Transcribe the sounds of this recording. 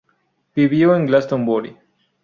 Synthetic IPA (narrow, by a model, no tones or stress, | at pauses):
piβioẽŋɡlast̪õmboɾḭ